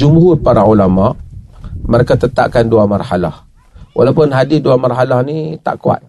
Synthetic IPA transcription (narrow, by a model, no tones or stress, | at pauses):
d͡ʒumhʊrpaɾaulamaʔməɾekat̪ət̪a̰ʔ̚kanduamarhala̰h | wʔa̰lawpʊnɦadisduamarɦalahnit̪a̰ʔkua̰t̪̚